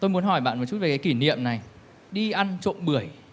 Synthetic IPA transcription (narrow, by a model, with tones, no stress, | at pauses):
t̪o˧jmu˨˦ənɦɔ˧˩jɓa̰ː˧˨nmɔ˨˩t͡ɕu˦˥t̚e˨˩kaː˨˦ki˧˩nḭ˧˨əmna˨˩j | ɗi˧ʔa˧nt͡ɕo̰˧˨nɓɨ˧˩əj